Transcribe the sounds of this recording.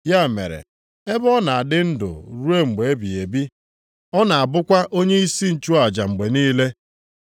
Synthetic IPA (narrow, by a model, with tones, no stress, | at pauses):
ja˦˨mḛ˨ɾḛ˨ | e˦bɔ˦na˨a˨dɪ˦n̩˦dʊ̰˨ɾu˦e˦ŋ͡m̩˨ɡ͡be˨e˦bi˨e˨bi˦ | ɔ˦na˨a˨bʊ˦kʷa˦ʔo˦ɲe˦i˦si˦n̩˨t͡ʃu˦a˨d͡ʒa˨ŋ͡m̩˨ɡ͡be˨niː˦le˦